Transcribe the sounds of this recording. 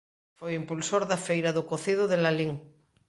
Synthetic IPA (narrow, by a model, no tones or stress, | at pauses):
fojimpulsoɾðafejɾaðokoθiðoðelaliŋ